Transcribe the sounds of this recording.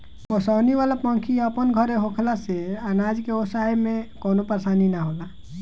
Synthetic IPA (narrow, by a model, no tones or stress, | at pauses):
posaːniʋalapə̃ŋkʰiəpənɡʱəɾeɦokʰlaseanad͡ʒkeosaemẽkonopɾəsaːninaɦola